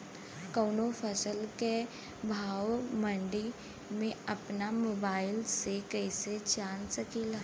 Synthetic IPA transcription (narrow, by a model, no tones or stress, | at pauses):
koːnopʰəsəlke | bʱaːwmə̃ɳɖi | mẽɐpnamoːbaːɪlsekɛːset͡ʃaːnsəkila